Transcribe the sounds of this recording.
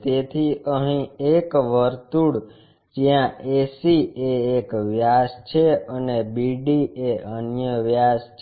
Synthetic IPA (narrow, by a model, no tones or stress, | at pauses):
t̪et̪ʰiʔəɦĩekʋəɾt̪uɽ | d͡ʒijãʔesieːkʋjast͡ʃʰeənebiɖieənjəʋjast͡ʃʰ